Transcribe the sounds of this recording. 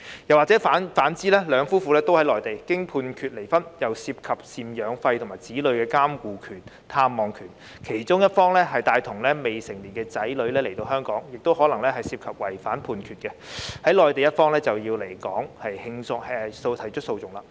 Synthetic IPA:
jɐ˨waː˨k̚t͡sɛ˨˥faː˨˥nfaː˨˥nt͡siː˥lɛː˥lœː˨˧ŋfuː˥fuː˧lɛː˥t̪o˥whɐ˨˥jlɔː˨jt̪e˨jkɪ˥ŋpʰuː˧nkʰyː˨t̚le˨˩jfɐ˥njɐ˨wsiː˧p̚kʰɐ˨p̚siː˨˩mjœː˨˧ŋfɐ˧jt̪ʰmaː˨˩jt͡siː˨˥lɵ˨˧ɥkɛː˧kaː˥mkuː˨˧kʰyː˨˩n | t̪ʰaː˧mːɔː˨ŋkʰyː˨˩n | kʰe˨˩jt͡sʊ˥ŋjɐ˥t̚fɔː˥ŋlɛː˥ɦɐ˨˩jt̪aː˧jt̪ʰʊ˨˩ŋlɛː˥me˨jsɪ˨˩ŋliː˨˩nkɛː˧t͡sɐ˨˥jlɵ˨˥ɥlɛː˥le˨˩jt̪o˧wɦœː˥ŋkɔː˨˥ŋjɪ˨k̚t̪o˥whɔː˨˥lɐ˨˩ŋlɛː˥ɦɐ˨jsi˧p̚kʰɐ˨p̚wɐ˨˩jfaː˨˥npʰuː˧nkʰyː˨t̚kɛ˧hɐ˨˥jlɔː˨jt̪e˨jɐ˥t̚fɔː˥ŋlɛː˥t͡sɐ˨wjiː˧wle˨˩jkɔ̰ː˨˥ŋhɐ˨jhɪ˧ŋsʊ˧k̚hso˧wt̪ʰɐ˨˩jt͡ʃʰɵ˥t̚so˧wt͡sʊ˨ŋla̰ː˧

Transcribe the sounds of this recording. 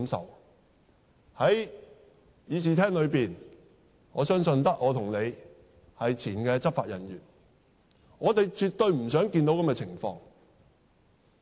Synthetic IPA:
msɐ̰˨w | hɐ˨˥j | jiː˨˧siː˨t̪ʰɛː˥ŋlɵ˨˧ɥpiː˨n | ŋɔ̰ː˨˧sœː˥ŋsɵ˧nt̪ɐ˥k̚ʔɔː˨˧t̪ʰʊ˨˩ŋne˨˧j | hɐ˨jt͡sʰiː˨˩nkɛː˧t͡sɐ˥p̚faː˧˨t̚jɐ̰˨˩njyː˨˩n | ŋɔː˨˧t̪e˨jt͡ʃy˨˧t̪ɵ˧ɥm̩˨˩sœː˨˥ŋkiː˧nt̪o˨˥wkɐ˨˥mkɛː˧t͡sʰɪ˨˩ŋfɔ̰ː˧ŋ

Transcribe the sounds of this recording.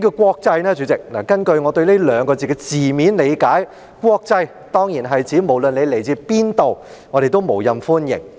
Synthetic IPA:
k̬i˧kʷɔː˧k̚t͡sɐ˧jnɛː˥t͡ʃy˨˧˥t͡sɪ˨k̚naː˨˩kɐ˥nkɵ˧ɥŋɔː˨˧t̪ɵ˧ɥne˥lœː˨˧ŋkɔː˧t͡siː˨˩kɛ˧t͡siː˨˩miː˨˥nle˨˧jkaː˨˥j | kwɔː˧k̚t͡sɐ˧j | t̪ɔː˥ŋjiː˨˩nɦɐ˨jt͡siː˨˥mo˨˩wlɵ˨nle˨˧jle˨˩jt͡siː˧piː˥nt̪o˨wŋɔ˨˧ɾe˨jt̪o˥wmo˨˩wjɐ˧mfuː˥njɪ̰˨˩ŋ

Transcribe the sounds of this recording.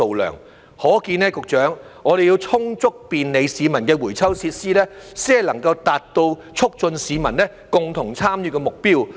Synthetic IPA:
o˨wlœ̰ː˨˩ŋ | hɔː˨˥kiː˧nɛː˥kʊ˨k̚t͡ʃœː˨˥ŋ | ŋɔː˨˧d̪e˨ji˧t͡sʰʊ˥ŋt͡sʊ˥k̚piː˨nle˨˧jsiː˨˧mɐ˨˩nkɛː˧wuː˨˩jt͡sʰɐ˥wsʰiː˧t̚siː˥lɛː˥sɛː˥˨lɐ˨˩ŋkɐ˧wt̪aː˨t̚t̪o˧wt͡sʰʊ˥k̚t͡sɵ˧nsiː˨˧mɐ˨˩nɛː˥ | kʊ˨ŋt̪ʰʊ˨˩ŋt͡sʰaː˥mjyː˧kɛ˧mʊ˨k̚piː˥w

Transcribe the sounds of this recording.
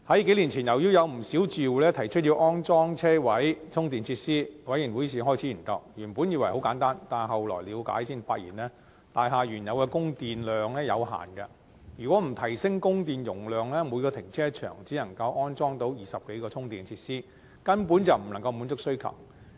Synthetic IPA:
hɐ˨˥jke˨˥jliː˨˩nt͡sʰiː˨˩njɐ˨wjiː˧wjɐ˨˧wm̩˨˩siː˨˥wt͡siː˨wu˨˧lɛː˥t̪ʰɐ˨˩jt͡ʃʰɵ˥t̚ji˧wʔɔː˥nt͡sɔː˥ŋt͡sʰɛː˥wɐ˨˥jt͡sʰʊ˥ŋt̪iː˨nt͡sʰiː˧t̚siː˥wɐ˨˥ji˨˩nwuː˨˥jsiː˨˩ɦɔː˥jt͡sʰiː˨˥˨nkɔ˨˧wjyː˨˩npu˨˥njiː˧˩wɐ˨˩jho˨˥wkaː˨˧˥nt̪aː˥nt̪aː˨˩nɦɐ˨wlɔ̰ː˨˩jliː˨˧wka̰ː˨˥jsiː˥nfaː˧t̚jḭː˨˩nɛː˥ | t̪aː˨jɦaː˨˧ɥyː˨˩njɐ˨˧wkɛː˧kʊ˥ŋt̪iː˨nlœː˨ŋlɛː˥jɐ˨˧wha̰ː˨˩nkɐ̰˧ | jyː˨˩kʷwɔː˨˥m̩˨˩t̪ʰɐ˨˩jsɪ˥ŋkʊ˥ŋt̪iː˨njʊ˨˩ŋlœː˨ŋlɛː˥muː˨˧jkɔː˧t̪ʰɪ˨˩ŋt͡sʰɛː˥t͡ʃʰœ̰ː˨˩ŋt͡siː˨˥nɐ˨˩ŋkɐ˧wʔɔː˥nt͡sɔː˥ŋt̪o˨˧˥wjiː˨sɐ˨p̚ke˨˥jkɔː˧t͡sʰʊ˥ŋt̪iː˨nt͡sʰiː˧t̚siː˥ | kɐ˥npu˨˥nt͡sɐ˨wm̩˨˩nɐ˨˩ŋkɐ˧wmu˨˥nt͡sʊ˥k̚sɵ˥ɥkʰɐ̰˨˩w

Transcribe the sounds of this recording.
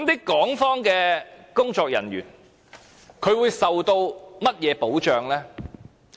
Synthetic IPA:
mt̪iː˥kɔː˨˥ŋfɔː˥ŋkɛː˧kʊ˥ŋt͡ʃɔː˧k̚jɐ̰˨˩nɥy̰ː˨˩n | kʰɵ˨˧ɥwuː˨˧jsɐ˨wt̪o˧wmɐ˥t̚jɛː˨˧po˨˥wt͡ʃœː˨ŋlɛː˥

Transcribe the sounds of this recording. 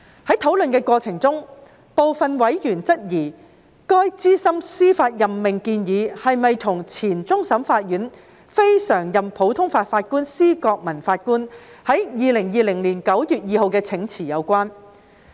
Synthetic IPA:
hɐ˨˥jt̪ʰo˨˥wlɵ˨nkɛː˧kwɔː˧t͡sʰɪ˨˩ŋt͡sʊ˥ŋ | po˨wfɐ˨nwɐ˨˥jjyː˨˩nt͡sɐ˥t̚jiː˨˩ | kɔː˥jt͡siː˥sɐ˥msiː˥faː˧t̚jɐ˨mːɪ˨˩ŋkiː˧njiː˨˧hɐ˨jmɐ˨jt̪ʰʊ˨˩ŋt͡sʰiː˨˩nt͡sʊ˥ŋsɐ˨˥mfaː˧t̚jyː˨˥n | fe˥jsœː˨˩ŋjɐ˨mpʰo˨˥wt̪ʰʊ˥ŋfaː˧t̚faː˧t̚kuː˥nsiː˥kɔː˧k̚mɐ˨˩nfaː˧t̚kuː˥nhɐ˨˥jjiː˨lɪ˨˩ŋjiː˨lɪ˨˩ŋliː˨˩nkɐ˨˥wjyː˨t̚jiː˨˧ho˨˧wkɛː˧t͡sʰɪ˨˥ŋt͡sʰiː˨˩jɐ˨˧wkʷwaː˥n

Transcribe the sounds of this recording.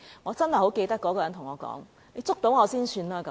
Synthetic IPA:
ŋɔː˨˧t͡sɐ˥nhjho˨˥wke˧jt̪ɐ˥kːɔː˨˥kɔː˧jɐ˨˦nt̪ʰʊ˨˩ŋɔː˨˧kɔ̰ː˨˥ŋ | ne˨˧jt͡sʊ˥k̚t̪o˨˥wŋɔː˨˧siː˥nsyː˧nlaː˥kɐ˨˦

